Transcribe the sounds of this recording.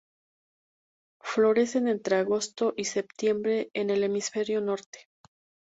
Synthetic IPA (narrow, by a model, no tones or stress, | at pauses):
flo̞ɾe̞se̞ne̞nt̪ɾe̞aɣo̞st̪o̞ʔise̞p̚t̪je̞mbɾe̞ːne̞le̞misfe̞ɾjo̞no̞ɾt̪e̥